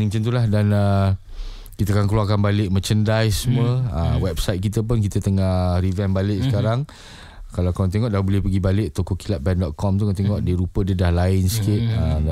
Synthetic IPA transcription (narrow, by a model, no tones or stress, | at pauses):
nəŋt͡ʃənt̪̬ulahdanə | kit̪akankəluakanbalɪʔmə̃t͡ʃəndajsəmwəəwɛp̚sajt̪̚k̬it̪əp̬ʊnk̬it̪ət̪əŋaɾivɛnbalɪʔsəkaɾaŋ | kalawkaɔ̃t̪̬eŋɔʔdabolɛhpəɡibalɪʔt̪okokilaʔbɛndɔʔ̪̚kɔmt̪ukãt̪eŋɔʔdiəɾupədədahlaɪnsə̥kɪʔ̪̚ə